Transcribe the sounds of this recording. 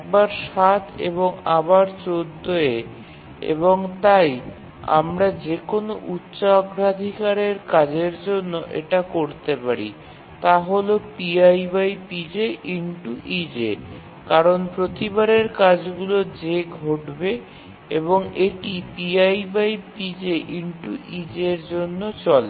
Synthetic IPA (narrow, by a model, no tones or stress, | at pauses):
ɛk̚baɾʃat̪ʰḛβoŋabaɾt͡ɕod̪ʱːoe | ḛboŋt̪aj | a̰mɾad͡ʑekonoʔutːɕaɡɾad̪ʱikaɾeɾkad͡ʑeɾd͡ʑonːoʔḛʈakoɾt̪epaɾḭ | t̪aɦolopiajbajpid͡ʑeʔiɳʈuʔid͡ʑe | kaɾonpɾot̪ibaɾeɾkad͡ʑɡulod͡ʑeɡʱoʈbe | eβoŋeʈipiajbajpid͡ʑeʔiɳʈuʔid͡ʑeɾd͡ʑonːot͡ɕɔl